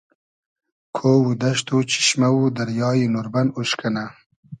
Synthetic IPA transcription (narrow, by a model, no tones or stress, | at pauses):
kʰoːwud̪ɐʃt̪ut͡ʃi̥ʃmawud̪aɾjɑːjinoɾbanuʃkana